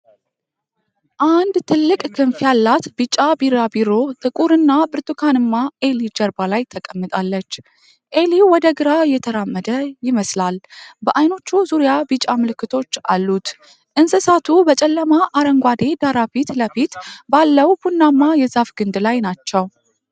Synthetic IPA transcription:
ʔand̪t̪ʰɨlːɨkʼkʰɨnfjalːat̪bɨt͡ʃʼːabiɾabiɾo̞t̪ʼɨkʼuɾɨnːabɨɾt̪ʼukʰanɨmːaʔe̞lid͡ʒəɾbalajt̪ʰəkʼəmːɨt̪ʼalːət͡ʃː | ʔe̞liwɔd̪əɡɨɾajɛt̪ʰəɾamːəd̪əjɪməslalbəʔajno̞t͡ʃːuzuɾijabɨt͡ʃʼamɨlɨkːɨt̪ʰo̞t͡ʃːalːut̪ | ʔɨnsɨsat̪ʰubət͡ʃʼɛlːəmaʔaɾəŋɡʷad̪e̞d̪aɾafit̪ləfit̪balːəwbunːamːajɛzafɡ̥ɨnd̪lajnat͡ʃːɛw

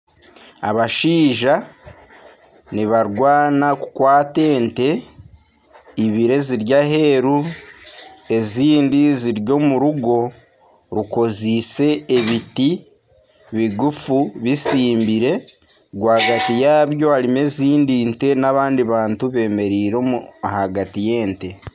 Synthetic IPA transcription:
a̰βaʃiːʒa | niβaɾɡwaːnaku̥kwaːte̞ːnte̞ | iβiɾe̞ziɾɟaɦe̞ːɾu | e̞ziːndiziɾɟo̞ːmuɾuɡo̞ | ɾuko̞zise̞ːβiti | βiɡufuβisiːmbiɾe̞ | ɡwaːɡatijaːβjo̞aɾime̞ziːndiːnte̞naβaːndiβaːntuβe̞ːme̞ɾiːɾo̞muhaɡatije̞ːnte̞

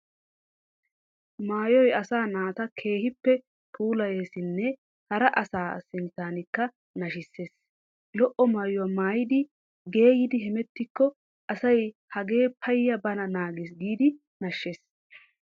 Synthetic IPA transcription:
maːjɔjɐsaːnaːt̪ɐkʰe̞ːhɪpːɛ | pʰuːlɐjeːsɪnːɛ | hɐɾɐʔɐsaːsɪnt̪aːnɪkːɐ | nɐʃɪsːeːs | lɔʔɔmaːjʊwɐmaːjɪd̪ɪ | ɡe̞ːjɪd̪ɪɦɛmɛt̪ːɪkːɔ | ʔɐsɐjhɐɡe̞ːpʰɐjːɐbɐnɐnaːɡes̬ɡiːd̪ɪ | nɐʃːeːs

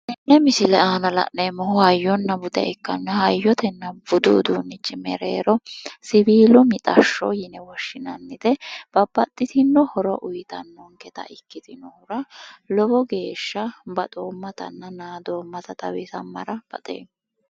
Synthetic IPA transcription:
ʔɪnːɛmɪsɪlɛaːnɐlɐ̰ʔnemɔhʊhɐjːɔnːɐbʊd̪ɛ̰ɛkːɐnːɐhɐjːɔt̪ɛnːɐbʊd̪ʊːd̪uːnːɪt͡ʃːɪmɛɾḛːɾɔsɪbiːlʊmɪt̪ʼɐʃːɔ̰jɪnɛwɔʃːɪnɐnːɪd̪̥ɛb̥ɐb̥ːɐt̪ʼːɪt̪ɪnːɔhɔɾɔʔʊjt̪ɐnːɔŋkɛt̪ɐ̰ʔɪkːɪt̪ɪnːɔhɔɾɐlɔbɔɡe̞ːʃːɐbɐt̪ʼoːmːɐt̪ɐ̰nːɐnaːd̪oːmːɐt̪ɐt̪ɐwɪsɐmːɐ̰ɾɐb̥ɐ̰t̪ʼḛː

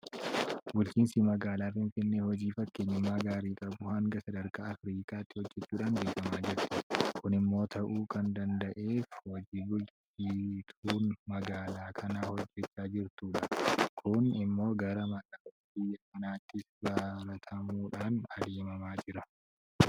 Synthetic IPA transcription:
bʊlt͡ʃiːnsimɐɡaːlaːfɪnfɪnːehɔd͡ʒiːfɐkːeːɲːɪmːaːɡaːɾiːkʼɐbʊhɐŋɡɐsɐd̪ɐɾkaːɐfɾiːkʼaːt̪ːɪhɔd͡ʒːɛt͡ʃːuːᶑaːŋɡeːɡɐmaːd͡ʒɪɾt̪ɪkʊnɪmːo̞ːt̪ʰɐʔuːkʰɐnd̪ɐnd̪ɐʔe̞ːfwɐd͡ʒiːbʊlt͡ʃ | it̪ʰuːnmɐɡaːlaːkʰɐnaːhɔd͡ʒːɛt͡ʃːaːd͡ʒɪɾt̪uːᶑɐkʰʊnɪmːo̞ːɡɐɾɐmɐkaːɐ | bɪjːɐkɐnaːt̪ːɪsbaːɾɐt̪ʰɐmuːᶑaːnɐd̪eːmɐmaːd͡ʒɪɾɐ

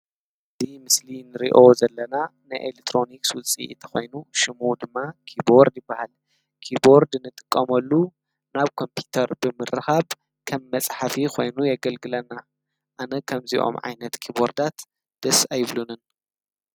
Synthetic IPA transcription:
ɨzimɨslinɨɾḭʔozɐlːɐnanɨʔḛlek̚t̪ʰːɾo̞nikswʊt͡sʼḭt̪ʰɐ̥xo̞̰jnuʃɪmud̪ɨmːakʰibo̞ɾd̪jɪbːahal | kʰibo̞ɾd̪nɨt̪ʼɨkʼːɐmɐlːu | naβkʰo̞mpʰut̪ʰɐɾbɨmɨrɨxaβ | kʰɐmːɐt͡sʼħafikʰo̞jnujaɡɐlɡɨlɐnːa | ʔanɐkʰɐmziʔo̞̰mʕa̰jnɐt̪kʰiβo̞ɾd̪at̪ | d̪̥ɐsajβlunɨn

